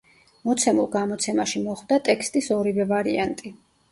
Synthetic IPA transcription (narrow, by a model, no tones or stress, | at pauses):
mɔt̪sʰɛmulˠɡamɔt̪sʰɛmaʃimɔχwd̪at̪ʼɛkʰst̪ʼisɔɾivɛvaɾiant̪ʼi